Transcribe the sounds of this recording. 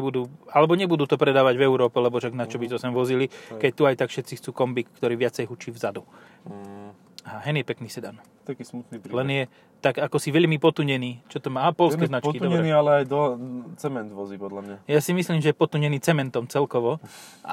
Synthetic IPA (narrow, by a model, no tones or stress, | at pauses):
bud̪uːalɛbɔɲɛbud̪uːt̪ɔpɾɛd̪aːʋaɟvɛʊɾɔːpɛlɛbɔʃaɡnat͡ʃɔbizɔsɛmʋɔzilikɛc̚t̪uajt̪akfʃɛt̪t͡sixt͡suːkɔmbikːt̪ɔɾiːʋɪatt͡sɛjɦut͡ʃiːvzad̪u | aɦaɦɛnjɛpɛkniːsɛd̪a̰n | t̪akiːsmut̪nipɾilɛnjɛ | t̪aɡakɔsiʋɛʎmipɔt̪uɲɛniːt͡ʃɔt̪ɔmaːapɔlskɛːznat͡ʃtkid̪ɔɲbɾɛniːalɛajd̪ɔt͡sɛmɛnd̪ʋɔzipɔd̪lamɲajasimisliːmʒɛjɛpɔt̪uɲɛniːt͡sɛmɛnt̪ɔmt͡sɛlkɔʋɔʔa̰